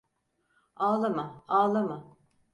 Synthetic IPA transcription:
aːlˠamaaːlˠama

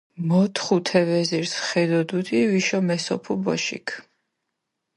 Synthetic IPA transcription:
mɔt̪ʰχut̪ʰɛvɛziɾsχɛd̪ɔd̪ud̪ʰʼiviʃɔmɛsɔ̰pʰubɔʃḭkʰ

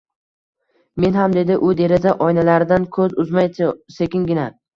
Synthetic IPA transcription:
me̞nɦamd̪e̞d̪ɪʔʊd̪e̞ɾazaʔɒjnalaɾɪd̪ankʰɵzʊzmajse̞kʲɪnɡʲɪna

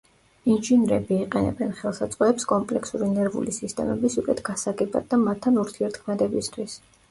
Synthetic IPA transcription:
inʒinɾɛ̰biːqʼɛnɛ̰bɛnχɛlˠsat̪sʼqʼɛɛpskʼɔmpʼlɛksuɾinɛɾvṵlisist̪ʼɛ̰mɛ̰bisukʼɛt̪ʰɡ̥asaɡɛba̰d̪̚ːamat̪ʰːanuɾt̪ʰiɛɾt̪ʰkʰmɛd̪ɛbist̪ʰwis

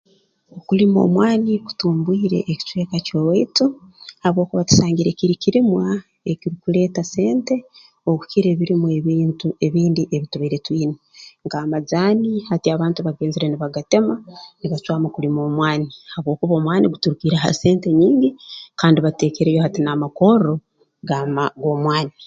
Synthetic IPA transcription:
okulimo̞̰ːmwaːniku̥tuːmbwiːɾe̞̰ʔːci̥t͡ʃwe̞ːkacoweituhaβo̞ːkuβatu̥saːŋɡiɾe̞kiɾikiɾimwa | e̞kiɾikule̞ːtase̞ːnte̞ | oku̥kiɾe̞ːβiɾimweβiːntueβiːndiʔe̞βituβaiɾe̞twiːnoŋkaːmazaːnihatiaβaːntuβaɡe̞ːnziɾe̞niβaɡate̞maniβat͡ʃwaːmakulimo̞ːmwaːnihaβwo̞ːkuβoːmwaːniɡutuɾukiːɾaa̰se̞ːnte̞ɲiːɲɟikaːndiβate̞ːke̞ɾejo̞hatinamako̞ɾo̞ | ɡamaɡo̞ːmwaːni

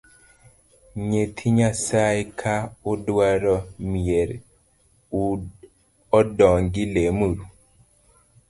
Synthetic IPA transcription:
ɲet̪ʰiɲasaekʰaʊdwaɾɔmieɾ | u | ɔdɔŋɡɪlemuɾu

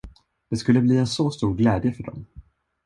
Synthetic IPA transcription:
d̪̥ɛskɵlːəbliːɛnsɔst̪uːɾɡlɛːd̪jəfœɖɔ̰m

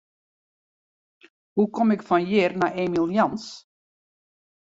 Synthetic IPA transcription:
hukɔmɪkfɔnjɪrnaʔemilˠjɑns

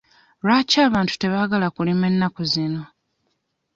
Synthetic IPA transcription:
ɾaːcaːβaːntu̥te̞βaɡalakulime̞nːakozino̞

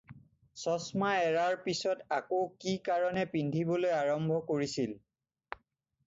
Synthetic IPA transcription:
sɔsmaɛɹaɹpisɔtakokikaɹɔnɛpindʱibɔlojaɹɔmbʱɔkoɹisil

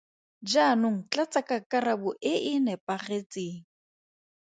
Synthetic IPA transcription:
d͡ʒanʊŋ̩t͡ɬat͡sʼakakarabʊʔɪʔɪnɛpʼaχet͡seːŋ̩

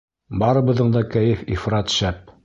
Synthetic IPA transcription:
bɑɾɤ̆bɤ̆ðɤɴd̪ɑkæjɘfifɾɑt̪ʃæp̚

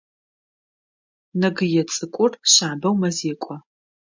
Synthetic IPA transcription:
nɐɡɨjɛt͡sʼɨkʷʼʊrɕaːbɐwmɐzeːkʷʼɔ

